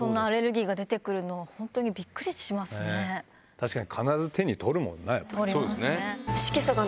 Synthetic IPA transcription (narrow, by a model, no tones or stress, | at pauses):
sõ̞nːaːɾe̞ɾɯ̟ɡʲiːɡad̪e̞t̪e̞kɯ̟ɾɯ̟no̞ahõ̞nt̪o̞ɲ̟ibʲikːɯ̟ɾʲiɕɕimasɨne | t̪ʰaɕi̥kaɲikʰanaɾazɨt̪ʰe̞ɲ̟it̪ʰo̞ɾɯ̟mõ̞̰nːaḭt̪oɾisoːd̪eneeɕi̥kʲisoɡa